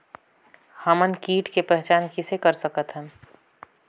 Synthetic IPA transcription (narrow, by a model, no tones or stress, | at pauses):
həmənkiːʈkepɛɦt͡ʃaːnkɪsekəɾsəkət̪ɦɛ̃ː